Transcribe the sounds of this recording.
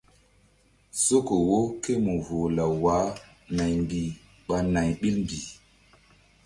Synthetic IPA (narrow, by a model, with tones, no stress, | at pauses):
so˦ko˨wo˦ke˦mu˨vo˨la˨wa˨˦ | na˨jmbi˨ | ɓa˨na˨jɓi˦lmbi˨